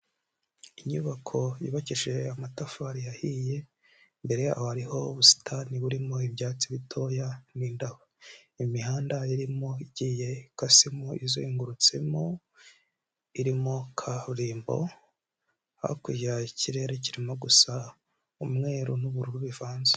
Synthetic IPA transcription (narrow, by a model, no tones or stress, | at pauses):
iɲuβakʰo̞jḭːβaciʒe̞amatafaɾijahiːje̞ | mbe̞ɾe̞a̰haɾiho̞βusi̥tʰaniβuɾimo̞ibjaːt͡siβitʰo̞ːjaniːndahoimihaːndaiɾimo̞iɟiːje̞kasimoizoiŋɡuɾut͡se̞mo | iɾimokʰaβɾiːmbo̞̰ | a̰kujaiciɾe̞ɾeciɾimo̞ɡusa | umŋe̞ːɾunuβuɾuɾuβivaːnze̥